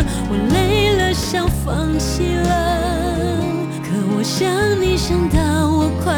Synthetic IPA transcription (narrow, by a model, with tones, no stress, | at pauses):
wɔ˨˩le˧˥ɪlə˧˥ɕjɑ˥ŋfɑ˧ŋt͡ɕʰi˧˥lə˧ | kʰɤ˨˩wɔ˨˩ɕjɑ˧ŋni˨˩ʂə˧˥ŋt̪ɑ˥˧wɔ˨˩kʰwa˧